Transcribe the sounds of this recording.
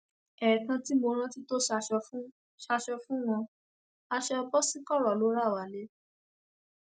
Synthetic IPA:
ɛ˨kã˧ti˦mo˧ɾ̃ã˦ti˦to˦ʃa˧ʃɔ˧fũ˦ | ʃa˧ʃɔ˧fũ˦w̃ɔ̃˧ | a˧ʃɛ˧ɔ˧bɔ˦si˦kɔ˦˨ɾɔ˨lo˨˦ɾa˦˨wa˨le˨˦

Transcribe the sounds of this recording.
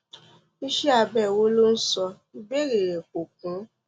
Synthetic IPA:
i˦ʃe˦a˧˨bɛ˦˨wo˦lo˦n̩˦sɔ˧ | i˦be˦ɾe˨ɾe˨ko˨k̚ũ˨˦

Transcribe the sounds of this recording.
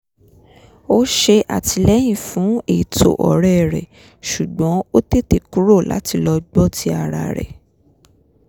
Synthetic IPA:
o˦ʃe˧ʔa̰˨tʰi˧lɛ˦j̃ĩ˦˨fũ˨˦e˦˨tʰo̰˨ʔɔ̰˨ɾɛ˦˨ɾɛ̰˨ | ʃu˨ɡ͡bɔ̃˨˦o˦te˦te˨ku˦ɾo˦˨la̰˨˦ti˧lɔ˧ɡ͡bɔ˦tʰi˧a˦˨ɾa̰˨ɾɛ̰˨

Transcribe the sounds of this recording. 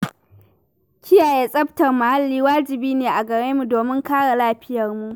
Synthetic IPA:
kʲʰɪ˦jaː˨jeː˦sʼɐ˦btɐ˨rmʊ˨ha˦lːiː˦waː˦d͡ʒɪ˨biː˦neː˨ʔa˨ɡɐ˨ɽeː˦mu˨doː˨mɪ˦ŋkaː˦ɽa˨laː˦ɸɪ˦jɐ˨rmu˨ʔ

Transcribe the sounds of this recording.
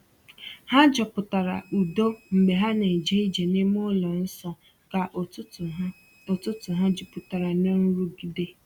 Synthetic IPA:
ha˦d͡ʒɔ˨pʊ˨ta˨ɾa̰˨u˨do˦ŋ͡m̩˨ɡ͡be˨ɦa˦ne˨d͡ʒe˦i˦d͡ʒe˨ne˦m˦ʊ˦lɔ˨n̩˦sɔ˨ | ka˨ʔʊ˦˨˦ | o˨tʊ˦tʊ˨ɦa˦d͡ʒʊ˨pʊ˨ta˨ɾa˨no˦n̩˦ɾu˦ɡi˨de˦

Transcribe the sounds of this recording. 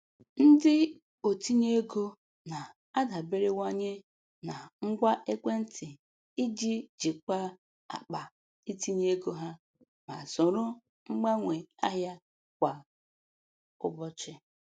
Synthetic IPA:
n̩˦dɪ˦ | o˨ti˦ɲe˦e˦ɡo˦ | na˨ | a˦da˨be˦ɾe˦wa˦ɲe˦ | na˨ŋ͡m̩˦ɡʷa˦ʔe˦kʷe˦n̩˦tʰɪ˨ | i˦d͡ʒi˦d͡ʒi˨k͡pa˦ | a̰˨k͡pa˨ | i˦ti˦ɲe˦ɡo˦ɦa˦ | ma̰˨sʊ˨ɾʊ˦ | ŋ͡m̩˦ɡ͡ba˦ŋʷe˨a˦ɦja˦ | kʷa˨ | ʊ̰˦bɔ˦t͡ʃɪ˦

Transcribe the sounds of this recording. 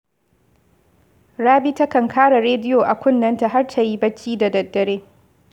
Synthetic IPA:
ɽaː˦bi˦ta˦kɐ˨ŋkʰaː˦ɽa˨ɾeː˦dɪ˦jo˨ʔa˨kʷʊ˦nːɐ˦nta˨ɦa˦rtʰa˨ji˦bɐ˦t͡ʃːiː˦da˨dɐ˨dːɐ˨ɽeː˦

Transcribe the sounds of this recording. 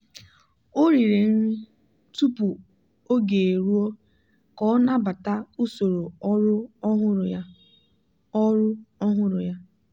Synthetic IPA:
o˦ɾi˨ɾe˨n˦i˦ | tu˦pu˨ | o˦ɡe˨ɾu˦o˦ | kɔ˦na˦ba˨ta˦u˦so˨ɾo˨˦ɾʊ˦ɦʊ˦ɾ | ɔ˦ɾʊ˦ɔ˦ɦʊ˦ɾʊ˨ja˦

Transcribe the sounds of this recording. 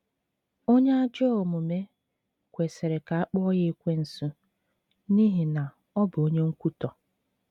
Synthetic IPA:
o˦ɲe˦a˦d͡ʒɔ˦o˨mʊ˨me˦ | kʷe˨se˨ɾe˨ka˨a˦k͡pɔ˦ɔ˦je˦kʷe˦n̩˨sʊ˦ | ni˦ɦi˨na˨ | ɔ˦bʊ˨o˦ɲe˦ŋ̩˦kʷu˦tɔ˨

